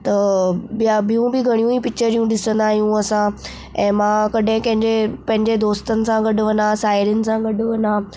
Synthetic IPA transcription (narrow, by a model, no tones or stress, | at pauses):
t̪ɐbabijũbɪɡʱɐɽ̃ijũipɪk̚t͡ɕəɾijũɗɪsə̃nd̪aːɦijũɐsã | ɛ̃ːmãːkɐɗɦɪ̃kɐ̃ɦɪ̃ɲd͡ʑepɐ̃ɦɪ̃ɲd͡ʑed̪oːst̪ənɪ̆sãɡɐɖʊ̆ʋɐnd̪ãsaːɪɾijənɪ̆sãɡɐɖʊʋɐnaː